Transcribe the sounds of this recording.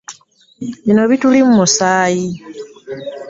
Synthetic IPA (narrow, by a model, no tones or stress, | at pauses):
βino̞βitulimumusaːji